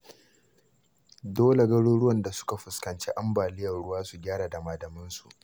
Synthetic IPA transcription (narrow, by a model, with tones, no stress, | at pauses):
doː˦le˨ɡɐ˦ɽuː˦ɽʊ˦wɐ˨nda˨sʊ̥˦ka˨ɸʊ˨skɐ˨nt͡ʃḛ˦ʔa˦mbaː˨lɪ˦jɐ˨rɽʊ˦waː˦su˨ɡʲaː˦ɽaː˨da˨maː˨dɐ˨mɪ˦nsu˨ʔ